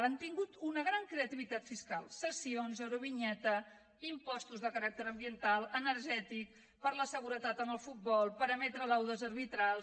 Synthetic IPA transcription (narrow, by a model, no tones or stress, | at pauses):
ant̪iŋɡut̪unəɣɾaŋkɾeət̪iβit̪at̪fiskalˠsəsionzəɾuβ̞iɲɛt̪ə | impɔst̪uzðəkəɾak̚t̪əɾəmbiənt̪alˠənəɾʒɛt̪ik̚ | pəɾləsəɣ̞uɾət̪at̪ənəlˠfut̪̚bɔlˠpəɾəmɛt̪ɾəlawðəzəɾβit̪ɾa